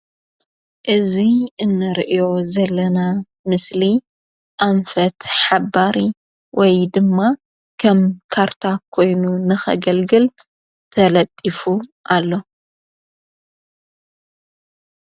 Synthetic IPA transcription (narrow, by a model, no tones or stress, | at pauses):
ʔɨziɨnːɨɾʔijo̞zɐlːɐna | mɨsli | ʔaɱfɐt̪ħabaɾi | wʔɔjd̪ɨmːa | kʰɐmkʰaɾt̪ʰakʰo̞jnunɨxɐ̰ɡɐlɡɨl | t̪ʰɐlɐt̪ʼːifuʔalːo̞